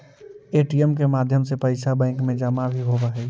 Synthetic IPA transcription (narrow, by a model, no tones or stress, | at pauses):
eːʈiəmk̬emaːd̪ʱjəmsepəɪsabɛ̃ːŋkmẽd͡ʒaːmabʱiɦobaɦɛː